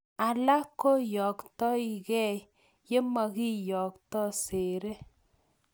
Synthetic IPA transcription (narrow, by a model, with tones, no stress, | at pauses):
a˨la˦kːo˦jɔ˨ktɔ˦i˨kɛ˦˨j | je˦ma˨ɣi˦jɔ˨ktɔ˦se˨ɾe˦